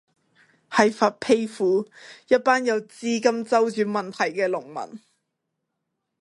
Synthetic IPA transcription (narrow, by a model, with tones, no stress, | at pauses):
hɐ˨jfaː˧t̚pʰe˥jfuː˨˥jɐ˥t̚paː˥njɐ˨˧wt͡siː˥kɐ˥mt͡sɐ˥wt͡syː˨˥nmɐ˨nt̪ʰɐ˨˩jkɛː˧lʊ˨˩ŋmɐ̰˨˩n